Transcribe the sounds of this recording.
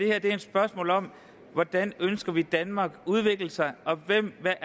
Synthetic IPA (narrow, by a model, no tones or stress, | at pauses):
d̥e̝hæɐd̥e̝æɐed̥sb̥ɶɐsmɔ̰̽ːlɒ̽m̰ | ʋɒd̥ænønsɡ̥ɐʋid̥ænmɑ̈ːɡ̥uð̞ˠʋe̝ɡ̥ləsɑ̈ɪʔɒ̽ʋem̰ʋæʔ